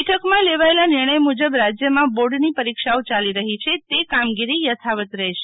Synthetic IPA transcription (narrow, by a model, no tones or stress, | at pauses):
ʈʰəkmãleʋaelanɪɾɳ̃əjmud͡ʒəbɾad͡ʒjəmãboɾɖnipəɾikʃaot͡ʃaliɾəɦit͡ʃʰet̪ekamɡiɾijət̪ʰaʋət̪ɾəɦʃe